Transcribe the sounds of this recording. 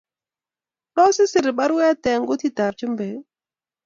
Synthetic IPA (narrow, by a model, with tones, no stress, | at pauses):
ɗɔ˦sɪ˦sɪ˨ɾɪ˨ɓa˦ɾwɛ˦tɛ˨ŋɡo˦ti˦ta˨ɾt͡ʃə˦mbɛ˨